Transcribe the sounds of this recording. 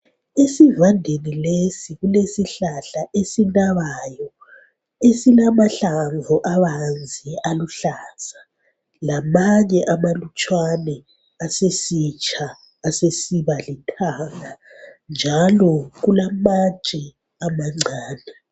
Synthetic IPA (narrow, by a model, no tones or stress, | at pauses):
esivandʱenilesiɣulesiɬaɬaʔesinaβajɔ | esilamaɬaŋvʱɔʔaβand͡zʱiʔaluɬasa | lamaɲɛʔamalut͡ʃʼwanɛ | asesit͡ʃʰʼaː | sesiβalitʰaŋa | nd͡ʒʱalɔɣulamat͡ʃʼɛ | amaŋ͡ǀʱaːnɛ